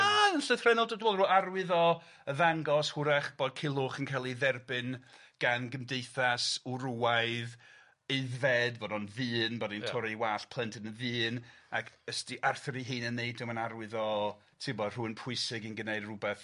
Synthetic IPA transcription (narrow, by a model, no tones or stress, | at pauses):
aənɬəθr̥ɛnɔlˠdɔdwɔlˠruːarwɪðɔ | əðaŋɡɔshʊɾɛχb̥ɔd̚kʰɪlˠʊχənkʰalˠiðɛrbɨn | ɡ̥anɡəmdejθasuɾuaɨð | eɨðvɛdvɔdɔnvɨːnbɔdintʰɔɾewaːɬpʰlˠəntʰənənvɨːnakʰəstiʔarθəɾiɦɨːnənːeɨd̚dɪwmanaɾwɪðɔ | tʰɪmɔd̥r̥uɨnpʰʊɨsɪɡənɡənejdrubɛθ